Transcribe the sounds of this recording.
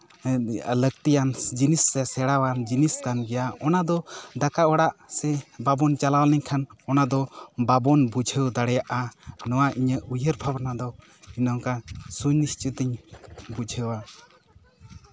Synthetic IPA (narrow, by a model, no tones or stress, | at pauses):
ləɡ̚t̪ijand͡ʒinisːɛsɛɽawand͡ʒiniskanɡɛjaɔnad̪ɔd̪akaɔɽaʔsɛbabɔnt͡ʃalawlɛɲkʰanɔnad̪ɔbabɔnbud͡ʒʱəwd̪aɽɛjaʔanɔwaʔiɲəʔujəɾbʱabnad̪ɔ | inawkasuɲnist͡ʃit̪iɲbud͡ʒʱəwa